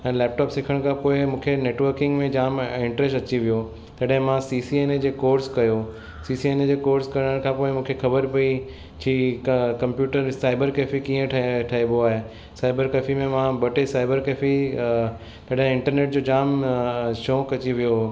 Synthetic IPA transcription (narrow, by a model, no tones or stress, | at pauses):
ɛ̃ːlɛːp̚ʈɔːpsɪkʰəɽ̃kʰãpoːɪmũːkʰeneːʈʋəɾkɪ̃ŋɡmẽd͡ʑaːmɪ̃ɳʈɾesʈɐt͡ɕiʋijo | t̪ɐɗɦɪ̃mãsiːsieːned͡ʑeːkoːɾskɐjo | siːsieːned͡ʑeːkoːɾskɐɾəɽ̃əɽ̃kʰãpoːɪmũːkʰexʰɐbəɾpɐi | t͡ɕʰiːkɐ̃mpjuːʈəɾsaːɪbəɾkeːfikiːə̃ʈʰʈʰaːɦiboaːɦe | saːɪbəɾkefimẽmãbɐʈesaːɪbəɾkeːfi | t̪ɐɗɦɪ̃ɪ̃ɳʈəɾneːʈ̚d͡ʑoːd͡ʑaːmʃoːkɐt͡ɕiʋijo